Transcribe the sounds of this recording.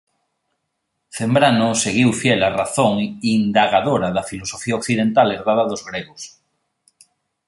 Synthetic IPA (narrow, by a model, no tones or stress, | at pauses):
θembɾanʊseɣiwfjelaraθoŋind̪aɣaðoɾɐðɐfilosofiaokθiðent̪aleɾðaðaðozɣɾeɣos